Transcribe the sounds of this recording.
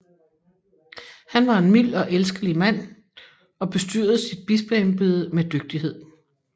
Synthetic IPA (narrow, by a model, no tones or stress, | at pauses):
hænʋɑ̈e̝nmil̰ɒ̽ʔelsɡ̥əlimæn̰ | ɒ̽b̥e̝sd̥y̰ɐ̰ð̩ˠsid̥̚b̥isb̥lɛnb̥yð̞ˠmed̥øɡ̥̚d̥ihe̝ð̞̰ˠ